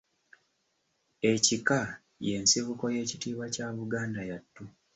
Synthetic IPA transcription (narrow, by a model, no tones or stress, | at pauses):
e̞cika | je̞ːnsiβuko̞je̞ːcitiːβacaβuɡaːndajatːu